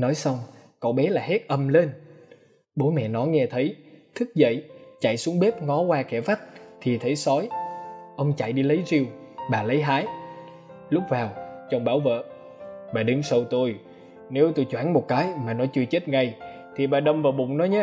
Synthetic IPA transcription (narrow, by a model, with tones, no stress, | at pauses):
nɔ˨˦jsa˧wŋ͡mkɔ˧˩ɓɛ˨˦laː˨˩ɦe˦˥t̚ʔə˧mle˧n | ɓo˨˦mɛ̰˧˨nɔ˨˦jŋɛ˧t̪ʰə˨˦jt̪ʰɨ˦˥k̚zə̰˧˨jt͡ɕa̰˧˨jsu˨˦əŋɓe˦˥p̚ŋɔ˨˦kwaː˧kɛ˧˩fa˦˥k̚t̪ʰi˨˩t̪ʰə˨˦jsɔ˨˦jʔə˧wŋ͡mt͡ɕa̰˧˨jɗi˧lə˨˦jzi˧w | ɓaː˨˩lə˨˦jɦaː˨˦j | lʊ˦˥k͡p̚vaː˨˩wt͡ɕə˧wŋ͡mɓaː˧˩wvə̰ː˧˨ | ɓaː˨˩ɗɨ˨˦ŋsə˧wt̪o˧j | ne˨˦wt̪o˧jt͡ɕwaː˧˩nmo˨˩t̚kaː˨˦jmaː˨˩nɔ˨˦t͡ɕɨ˧ət͡ɕe˦˥t̚ŋa˧˩j | t̪ʰi˨˩ɓaː˨˩ɗə˧wŋ͡mvaː˨˩wɓʊ̰˧˨ŋ͡mnɔ˨˦jɲaː˦